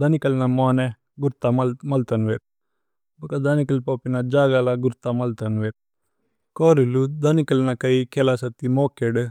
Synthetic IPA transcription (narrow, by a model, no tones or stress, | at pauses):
d̪ɐnikɐlnamoːne | ɡuɾt̪amɐlt̪ɐnʋeːt̪̚ | bɐkad̪ɐnikɐlpoːpinad͡ʒaːɡalaɡuɾt̪amɐlt̪ɐnʋeːt̪̚ | koːɾilud̪ɐnikɐlnakɐikʰelasɐt̪imoːkeɖ